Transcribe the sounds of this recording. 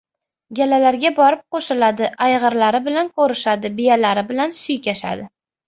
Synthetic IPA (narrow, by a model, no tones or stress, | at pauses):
ɡʲalalaɾɡʲabɒɾɪp̚qoʃɪlad̪ɪʔajʁɨɾlaɾɪbɪlankʰoɾɪʃad̪ɪbɪjalaɾɪbɪlansʊjkʲaʃa̰d̪ɪ